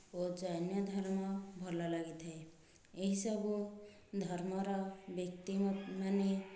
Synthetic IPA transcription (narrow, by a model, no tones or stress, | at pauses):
od͡ʒanjɔd̪ʱɔɾmɔbʱɔɾlalaɡit̪ɦee | eɦisʌbu | d̪ʱɔɾmɔɾɔbjək̚t̪immane